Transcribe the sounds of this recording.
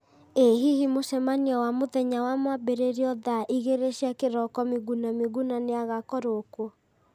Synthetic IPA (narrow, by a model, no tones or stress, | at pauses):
eɦihimoʃɛmaniɔwamoðɛɲawamwabeɾeɾiɔðaʔiɣeɾeɕiakeɾɔkɔmiɣunamiɣunaneaɣakɔɾokwɔ